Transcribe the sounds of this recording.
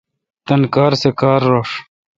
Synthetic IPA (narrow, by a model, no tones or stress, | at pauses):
t̪ɐnkaːɾsekaːɾːoːʂ